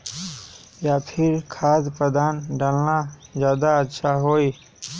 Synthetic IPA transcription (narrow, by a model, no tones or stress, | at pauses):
japʰɪɾkʰaːd̪pəd̪aːnɖaːlnad͡ʒjaːd̪aətːʃʰaɦoːi